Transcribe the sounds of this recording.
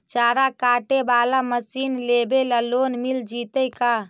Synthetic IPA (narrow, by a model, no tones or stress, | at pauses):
t͡ʃaːɾakaʈebaːlaməsinlebelaloːnmild͡ʒit̪əjka